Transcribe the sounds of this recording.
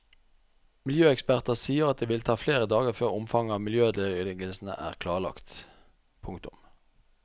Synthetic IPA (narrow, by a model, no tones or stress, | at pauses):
mɪljøːɛkspæʁt̪əsiːəʁɑt̪̚d̪eːʋɪlt̪ʰɑːfleːʁəd̪ɑːɡəʁføːʁʊmfɑŋəɑːʋmɪljøːd̪ɛɪɡəlsn̩ə̰ʔæ̰ːʁkʰlɑːʁɭɑ̰kt̪ | pʰʊŋkt̪ʊm